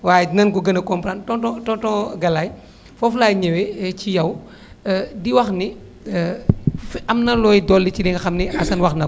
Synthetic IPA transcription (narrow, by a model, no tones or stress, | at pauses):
waːjnɐnɡɔɡɐnɐkɔmpɾantɔtɔtɔtɔ̃ɡɐlaj | fɔflaːjɲɛwɛt͡ʃijɐw | diwɐxni | ɐmnɐlɔːjdɔːlːit͡ʃidɛŋɡɐxɐmniɐsɐnwɐxnɐ